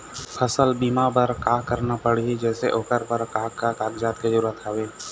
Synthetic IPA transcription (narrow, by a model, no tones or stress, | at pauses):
pʰəsəlbiːmapəɾkaːkəɾnapəɽiɦed͡ʒɛːseʔoːkəɾpəɾkaːkat̪aːɡd͡ʒaːt̪ked͡ʒəɾuːɾət̪ɦəʋeː